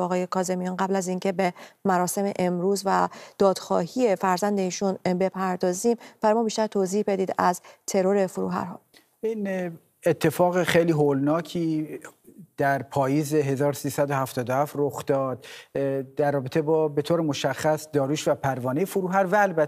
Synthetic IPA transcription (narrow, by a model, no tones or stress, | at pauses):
ɒːɣɒːje̞kʰɒːze̞mijɒːnɢæblæziŋcʰe̞be̞mæɾɒːse̞me̞̰ʔemɾuːzvæd̪̥ɒːd̪̥xɒ̰ːhijefæɾzænd̪e̞iːʃunbe̞pʰæɾd̪ɒːziːmb̥æɾɒjmɒːbiːʃt̪æɾt̪ʰoziːhbe̞d̪iːd̪æzt̪ʰe̞ɾo̞ɾe̞foɾuːɦæ̰ɾɦɒ̰ː | in | et̪ʰːe̞fɒːɣexejliːɦolnɒːcʰiː | d̪̥æɾpʰɒːjiːzeɦe̞zɒːɾosiːsæd̪ohæft̪ɒːd̪ohæft̪roxd̪̥ɒːd̪̥ | d̪æɾːɒːbet̪ʰe̞bɒːbe̞t̪ʰoːɾemoʃæxːæsd̪ɒːɾuːʃvæpʰæɾvɒːnejefoɾuːɦæɾvæːlbæ